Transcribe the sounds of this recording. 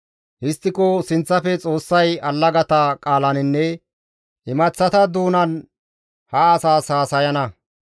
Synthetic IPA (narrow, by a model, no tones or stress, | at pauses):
ʔɪst̪ːɪkosɪnt͡sːɐfɛt͡sʼo̞ːsːɐjɐlːɐɡɐt̪ɐkʼaːlɐnɪnːɛ | ʔɪmɐt͡sːɐt̪ɐd̪uːnɐn | hɐːsaːsaːsɐjɐnɐ